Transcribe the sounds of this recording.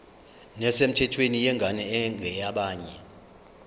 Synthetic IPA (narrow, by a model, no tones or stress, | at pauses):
nɛsem̩tʰɛtʰwenijɛŋʱanɛŋɡʱɛjaɓaːɲɛ